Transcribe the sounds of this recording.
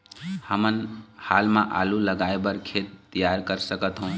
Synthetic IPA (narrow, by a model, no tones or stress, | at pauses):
həmənhalmãʔa̰luləɡaebəɾkʰet̪ːijaɾkəɾsəkət̪ɦũ